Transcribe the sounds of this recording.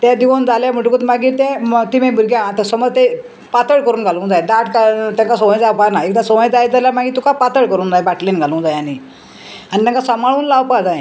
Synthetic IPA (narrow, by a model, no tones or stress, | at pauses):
t̪ɛd̪iʋond͡zaljam̤əʈukət̪maɡiːɾt̪ɛ̃mt̪imẽbʱuɾɡjaãt̪esɔmɔt̪e | pat̪əɭkəɾuːnɡʱalũd͡zajd̪aʈkat̪jãŋkasoʋə̃d͡zawpanaekd̪asoʋə̃d͡zajd͡zaljamaɡit̪ukapat̪əɭkəɾuːnd͡zajbaʈlenɡʱalũd͡zajani | anit̪ãŋkasəmaɭuːnlawpad͡zajẽ